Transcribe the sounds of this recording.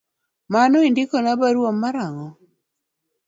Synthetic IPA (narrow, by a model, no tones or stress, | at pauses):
manɔindɪkɔnabaɾwomːaɾaŋɔ